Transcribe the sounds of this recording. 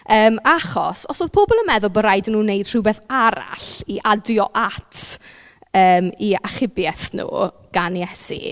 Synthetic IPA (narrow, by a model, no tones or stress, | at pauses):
əːmaχɔ̰sɔsoːðpʰoːbɔlˠəmɛðʊlˠbɔɾajdnuːnejd̥r̥ɪwbeːθaɾa̰ɬiʔadjɔʔatʰ | əːmiaχɪbjɛθnṵː | ɡ̥anjɛsḭ